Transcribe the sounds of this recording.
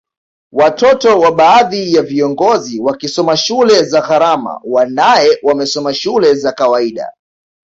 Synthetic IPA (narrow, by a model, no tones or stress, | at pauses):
watɔtɔwaɓaːðijaviɔŋɡɔziwakisɔmaʃulɛzaɣaɾama̰wanajɛwamɛsɔmaʃulɛzakawaiɗa̰